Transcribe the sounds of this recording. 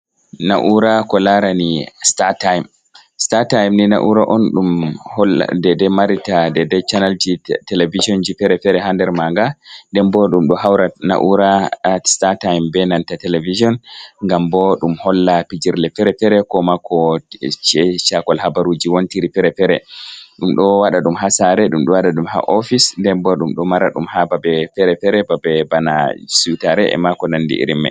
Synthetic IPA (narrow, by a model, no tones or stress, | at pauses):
na̰ʔuɾakɔlaɾanistatajm | statajmnina̰ʔuɾaʔɔnɗumhɔl̰dɛdɛmaɾitadɛdɛt͡ʃanald͡ʒitɛlevid͡ʒiɔnd͡ʒifɛɾɛfɛɾɛɦandɛɾmaŋɡaɗɛmbɔɗumɗɔɦawɾana̰ʔuɾastatajmbɛnantatɛlevid͡ʒiɔnŋɡambɔɗumhɔlːapid͡ʒiɾlɛfɛɾɛfɛɾɛkɔmakɔt͡ʃɛt͡ʃakɔlhabaɾud͡ʒiwontiɾifɛɾɛfɛɾɛ̰ɗumɗɔwaɗaɗumɦasaɾɛɗumɗɔwaɗaɗumha̰ʔɔfisndɛmbɔɗumɗɔmaɾa̰ɗumhababɛfɛɾɛfɛɾɛbabɛbana̰suwitaɾɛʔɛ̰makɔnandḭʔḭɾimːɛ̰